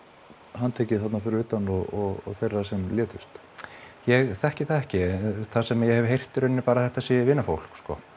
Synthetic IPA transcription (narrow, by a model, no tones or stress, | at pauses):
hant̪ʰɛːcɪθat̪nafɪɾɪɾvɪt̪ːanɔɔɣɔ̰θejrːasɛmljɛːt̪ʏst̪ | jɛɣθɛhcɪθaðɛhcɪθasɛmajɛhɛvɦejr̥t̪ʏɾʏnːɪpaːɾaθɛht̪asivɪːnːafowl̥kskɔ̰